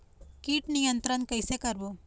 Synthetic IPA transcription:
kiːʈnijənt̪ɾənkəjsekəɾbo

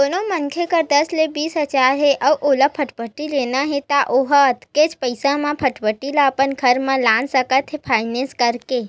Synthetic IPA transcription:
onomənkʰekəɾd̪əslebiːsɦət͡ʃaːɾɦeʔɐʔolapʰəʈbəʈːileːnaɦet̪aʔoɦət̪ket͡ʃpəɪsãmãpʰəʈpəʈːilaːpənkʰɐɾmãlaːnsəkət̪ɦepʰaːɪnẽnskəɾke

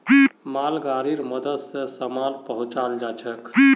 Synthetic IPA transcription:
imalɡaɾiɾməd̪əd̪sẽsəmalpəɦũt͡ʃald͡ʒat͡ʃʰəki

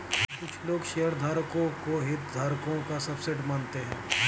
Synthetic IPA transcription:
kʊt͡ʃʰloːɡʃejəɾd̪ʱaːɾkõkoɦɪt̪̚d̪ʱaːɾkõkasɐbsɪʈmaːnt̪eɦɛ̰̃ː

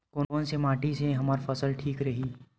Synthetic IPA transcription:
koːnoːnsemaːʈiseɦɐmaːɾfɐsəlʈʰiːkɾɐɦiː

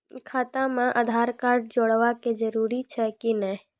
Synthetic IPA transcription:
kʰaːt̪ãmãʔəd̪ʱaːɾkaːɾɖ̚d͡ʒoːɽʋaked͡ʒəɾuɾit͡ʃʰɛkinɛ

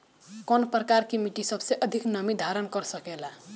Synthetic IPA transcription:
kɔnpɾəkaɾkimiʈisʌbʱseʔʌd̪ʱiknʌmid̪ʱaɾənkʌɾsəkela

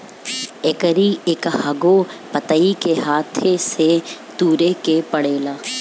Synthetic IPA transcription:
ekəɾiekɦɐɡopət̪əikeɦaːt̪ʰeset̪uːɾekepɐɽeːlaː

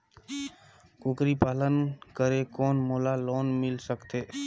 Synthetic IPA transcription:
koːkɾiːpaːlənkəɾeːkoːnmoːlaːloːnmɪlsəkt̪eː

